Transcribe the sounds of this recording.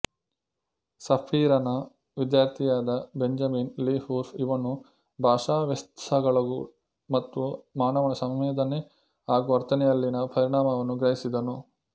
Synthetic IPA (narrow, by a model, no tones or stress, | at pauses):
sɐpʰiːɾɐnɐ | ʋid̪jaːɾt̪ʰijaːd̪ɐbeɲd͡ʒɐminliːhuːɾfiʋɐnu | bʱaːʂaːʋɐst̪ɐɡɐɭɐɡu | mɐt̪ːumaːnɐʋɐɳɐsɐmʋɛːd̪ʱɐne | aːɡuɐɾt̪ʰɐnɛjɐlːinɐpɐɾiɳaːmɐʋɐnːuɡɾɐɦisid̪ɐnu